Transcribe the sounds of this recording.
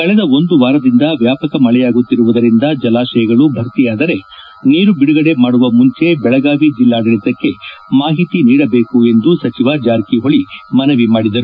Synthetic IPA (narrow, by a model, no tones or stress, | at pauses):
kɐɭɛd̪ɐo̞nd̪uʋaːɾɐd̪ind̪ɐʋjaːpɐkɐmɐɭɛjaːɡut̪ːiɾuʋud̪ɐɾind̪ɐd͡ʒɐlaːʃɐjɐɡɐɭubʱɐɾt̪ijaːd̪ɐɾe̞ | niːɾubiɽuɡɐɽe̞maːɽuʋɐmuɲt͡ʃe̞bɛɭɐɡaːʋid͡ʒilːaːɖɐɭit̪ɐkːe̞maːɦit̪iniːɽɐbe̞ːkue̞nd̪usɐt͡ʃiʋɐd͡ʒaːɾkiɦo̞ɭimɐnɐʋimaːɽid̪ɐɾu